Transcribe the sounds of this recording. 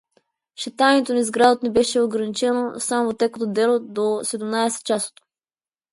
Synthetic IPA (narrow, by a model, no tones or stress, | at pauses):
ʃɛt̪ajnɛt̪onɐizɡɾad̪ot̪nɛbɛʃɛoɡɾɐnit͡ʃɛnosamovot̪ːɛkət̪od̪ɛlˠod̪osɛd̪umnaɛsɛ̥t͡ʃaso̥t̪o̥